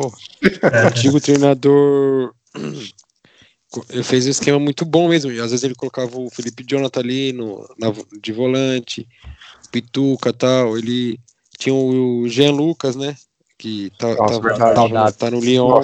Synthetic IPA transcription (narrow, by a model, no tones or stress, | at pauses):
poɐɐ̃t͡ʃiɡʊt̪ɾejnad̪oɾ | kõefejzũiskẽmɐmũj̃t̪ʊbõmezmʊiazvezɪzelɪkolokavɐʊfilipɪd͡ʒõnat̪ɐalinʊ̰nɐvnʊd͡ʒɪvolɐ̃t͡ʃɪ | ʊpit̪ukɐt̪awelɪ | t͡ʃĩɲɐ̃ʊʒeɐ̃lukɐznɛ | kɪt̪avavt̪avɐt̪anʊliõ